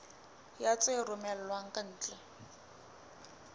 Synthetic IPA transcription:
jat͡sʼerʊmɛl̩lwaŋ̩kʼan̩ːt͡ɬʼɛ

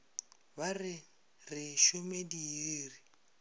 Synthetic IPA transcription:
βarɪ | rɪʃʊmediiːri

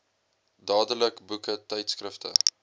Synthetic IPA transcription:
dɑːdələkbukətɛjtskrəftʰə̰

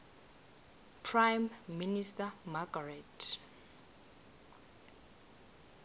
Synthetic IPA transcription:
pʰrajmːinistamaɡarɛtʰ

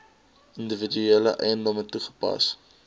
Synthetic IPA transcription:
əndəvidyeːləʔɛ̰jəndɔmətuχə̥pɐ̰s

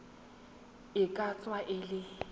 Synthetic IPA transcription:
ɪkʼat͡sʼwaʔɪlɪ

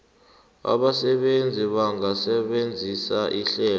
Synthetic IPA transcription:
a̰ɓasɛɓend͡zʱiɓaŋasɛɓend͡zʱisaʔiɬɛː

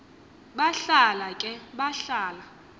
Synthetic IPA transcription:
ɓaɬalakʼɛɓaɬaːla

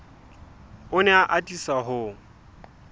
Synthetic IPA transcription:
ʊnɛaʔatʼisaɦʊ

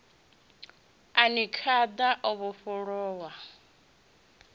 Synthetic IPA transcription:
anikʰad̪aʔoβuɸɔɺɔːwa

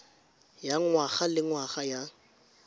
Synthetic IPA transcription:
jaŋwaχalɪŋwaχaja

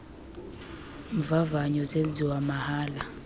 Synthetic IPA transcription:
ɱvavaɲɔzend͡zʱiwamahaːla

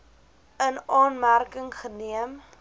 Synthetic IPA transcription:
ənɑːnmærkəŋχəniəm

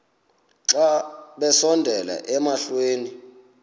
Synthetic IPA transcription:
ǁaɓɛsɔndʱɛla̰ʔɛmaɬweːni

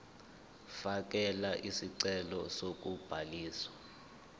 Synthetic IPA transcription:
fak̬ɛlaʔisiǀɛlɔsok̬ʼub̥ʱaliːswa

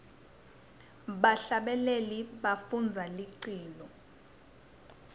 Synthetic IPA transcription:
ɓaɬaɓɛleliɓafund͡zʱaliǀiːlɔ

